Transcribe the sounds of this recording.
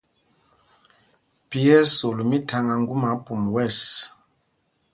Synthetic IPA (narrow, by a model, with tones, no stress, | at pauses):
pi˦ɛ˦so˨lu˨mi˦tʰa˦ŋa˨ŋɡu˦ma˨˦pʼu˨m˨wɛ˦˨s